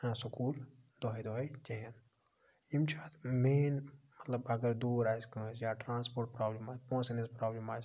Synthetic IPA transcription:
sukuːl | d̪ɔɦijd̪ɔɦjd͡ʒeɦən | imt͡ʃʰaːt̪ʰmenmət̪ləbɐɡəɾd̪uːɾaːskə̃ːsjaʈɾãːnspoːɾʈ̚pɾaːblimaːpɔ̃ːsenespɾaːblimaːt͡ʃ

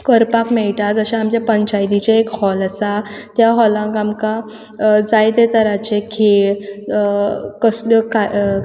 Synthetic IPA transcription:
kəɾpakmɛɭʈad͡zəɕaamt͡ɕjapəɲt͡ɕajd̪it͡ɕaekhɔləsat̪jaɦɔlãŋkamka | d͡zajt̪et̪əɾat͡ɕekʰeɭ | kəslɔka

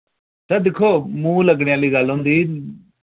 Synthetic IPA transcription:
t̪ɛːd̪ɪkʰːoːmũːləɡɽeːaːliːɡəlɦõːnd̪iː

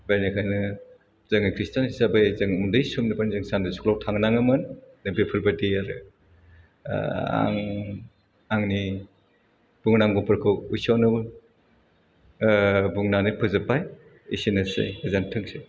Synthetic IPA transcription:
baɾnikʰajnɯ | zɯŋajkʰɾistʰanisabajzɯŋumdɯjsumnɯpʰanzɯŋsandɯsu̥kʰlawtʰaŋnaŋɯmɯnnɯbipʰɯɾbɯdiaɾɯ̰ | a̰ŋ | aŋni | b̥uŋnaŋɡupʰɯɾkʰɯujsawnɯw | buŋnanipʰɯzɯpːaj | isinɯsɯ̰jɡɯzantʰɯŋsɯj

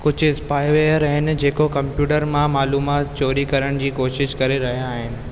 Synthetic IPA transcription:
kʊd͡ʑʱʊɪspaːɪʋeəɾɐɦɪnɪ̆d͡ʑeːkokɐ̃mpjuːʈəɾmãmaːluːmaːt̪t͡ɕoːɾikɐɾəɽ̃d͡ʑiːkoːʃɪʃkɐɾeɾɐɦijãːɦɪnɪ̆

